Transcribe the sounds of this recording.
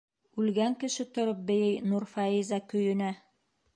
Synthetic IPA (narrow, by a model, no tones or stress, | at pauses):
ʉlɡæŋkɘ̆ʃɘt̪ŏɾɤp̚bɘ̆jɘjnuɾfɑizɑkɵ̆jɘ̆næ